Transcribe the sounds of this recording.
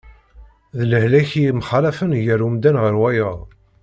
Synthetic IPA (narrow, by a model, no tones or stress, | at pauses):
ðləhlæçimχɑlæfənʝəɾumd̪ænʁəɾwæjəʁ